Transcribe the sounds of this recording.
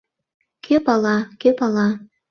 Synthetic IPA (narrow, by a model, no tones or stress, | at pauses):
kʰepɑlɑkepɑlɑ